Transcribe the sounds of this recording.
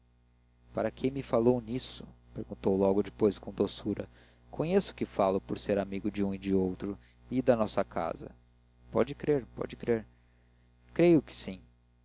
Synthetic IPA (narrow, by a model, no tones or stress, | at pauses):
paɾɐkʰẽj̃mɪfalownisʊ̥peɾɡũnt̪owlɔɡʊd͡ʒɪpojskõw̃d̪osuɾɐ | kʰõɲesʊ̥kɪfalʊpoɾseɾamiɡʊd͡ʒũɪd͡ʒɪowt̪ɾʊ | id̪ɐnɔsɐkʰa̰zɐ̰ | pɔ̰d͡ʒɪkɾeɾpɔ̰d͡ʒɪkɾeɾ | kɾejʊkɪ̥sĩ